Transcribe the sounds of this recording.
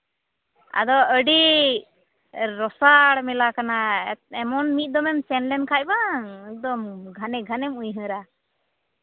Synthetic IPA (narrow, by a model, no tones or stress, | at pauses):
a̰d̪ɔəɖi | ɾɔsaɽmɛlakanaɛmɔnmit̪̚ˀd̪ɔmɛmsɛnlɛnkʰajbaŋɛk̚d̪ɔmɡʱanɛɡʱanɛmujɦə̃ɾa